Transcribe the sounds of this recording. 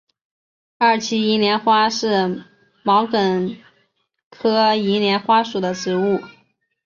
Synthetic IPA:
a˥˩t͡ɕʰi˥i˧˥njɛ˧˥nxwa˥ʂɻ̩˥˩ | mɑ˧˥ʊkə˨˩n | kʰɤ˥i˧˥ljɛ˧˥nxwa˥ʂu˨˩d̪ə˦ʈ͡ʂɻ̩˧˥u˥˩

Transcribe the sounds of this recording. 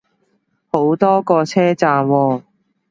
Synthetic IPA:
ho˨˥wt̪ɔː˥kɔː˧t͡sʰɛː˥t͡saː˨mwɔː˧

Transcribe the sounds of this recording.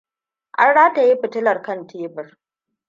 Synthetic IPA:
ʔa̰˦nɽaː˦ta˨ji˦ɸɪ˨tɪ˦lɐ˨rkɐ˦ntʰeː˦bɪ˨r

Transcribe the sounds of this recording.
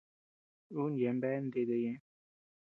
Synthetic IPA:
u˦n˨jɛ˨˦m˦bɛ˦n̩˦d̪e˦˨d̪ə˦jɛ̃˦

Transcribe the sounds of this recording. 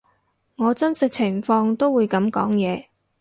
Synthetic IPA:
ŋɔː˨˧t͡sɐ˥nsɪ˥k̚t͡sʰɪ˨˩ŋfɔː˧ŋt̪o˥wuː˨˧jkɐ˨˥mkɔ̰ː˨˥ŋjɛː˨˧

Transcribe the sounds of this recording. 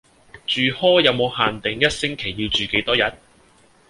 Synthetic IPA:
t͡ʃyː˨hɔː˥jɐ˨˧wmo˨˧whaː˨nt̪ɪ˨ŋjɐ˥t̚sɪ˥ŋkʰe˨˩jːiː˧wt͡ʃyː˨ke˨˥jt̪ɔː˥jɐ˨˥t̚

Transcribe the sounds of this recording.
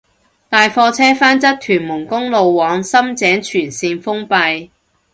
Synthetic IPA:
t̪aː˨jfɔː˧t͡sʰɛː˥faː˥nt͡sɐ˥t̚t̪ʰyː˨˩nmʊ˨˩ŋkʊ˥ŋlo˨wːɔː˨˥ŋsɐ˥mt͡sɛː˨˥ŋt͡ʃʰyː˨˩nsiː˧nfʊ˥ŋpɐ˧j

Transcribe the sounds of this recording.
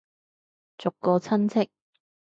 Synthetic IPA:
t͡sʊ˨kːɔː˧t͡sʰɐ˥nt͡sʰɪ˥k̚

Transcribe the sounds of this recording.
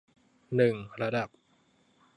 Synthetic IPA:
nɯ˨˩ŋɾa˧da˨˩p̚

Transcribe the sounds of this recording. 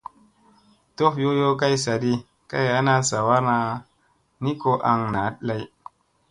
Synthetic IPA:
to˦fjo˦jo˦ka˦jsa˨di˦ | ka̰˦ja˦na˦sa˨wa˦ɾna˦ | ni˦ko˦ʔa˨ŋna˨˦t̚la˦j

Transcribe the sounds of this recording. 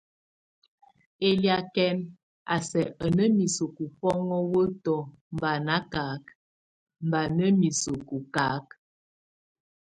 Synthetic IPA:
e˦lja˨kɛ˦n | a̰˨sɛ˨ʔə˨nə˦mi˨so˨ku˨fɔ˦ŋɔ˦wə˦tɔ˨ | m˨ba˨na˦ka˨˦k̚ | m̩˨ba˨nə˦mi˨so˨ku˨ka˨˦k̚

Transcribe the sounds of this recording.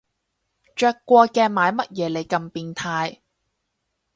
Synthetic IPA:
t͡ʃœː˧kːʷɔː˧kɛː˧maː˨˧jmɐ˥t̚jɛː˨˧le˨˩jkɐ˧mpiː˧nt̪ʰaː˧j

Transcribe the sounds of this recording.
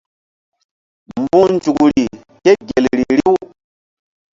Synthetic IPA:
mbu˦nd͡ʒu˨ku˨ɾi˨ | ke˦ɡe˨lɾi˨ɾi˦u˦

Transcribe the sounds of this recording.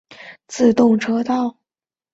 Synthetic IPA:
t͡sɹ̩˥˧t̪ʊ˥˩ŋʈ͡ʂʰɤ˥t̪ɑ˥˩ʊ

